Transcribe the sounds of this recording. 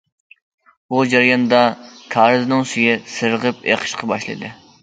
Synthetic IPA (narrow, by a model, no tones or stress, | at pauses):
bud͡ʒɑɾjɑnd̪ɑkʰɑːɾɨznɨŋsyjɪsɨɾəʁɨpḛqʰə̥ʃqɑbɑʃlˠɨ̰d̪ɨ